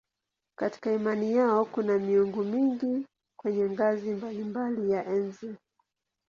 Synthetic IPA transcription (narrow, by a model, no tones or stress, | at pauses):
kati̥kaimanijaɔkunamiuŋɡumiŋɡi | kwɛɲɛŋɡazimbalimbalijaʔɛnzɛ